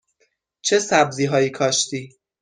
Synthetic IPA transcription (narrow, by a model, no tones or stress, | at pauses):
t͡ʃʰe̞sæbziːɦɒːjiːkʰɒːʃt̪iː